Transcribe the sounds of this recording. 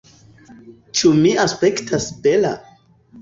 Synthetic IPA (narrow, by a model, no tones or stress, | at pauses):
t͡ʃumiaspe̞ktʰasbela̰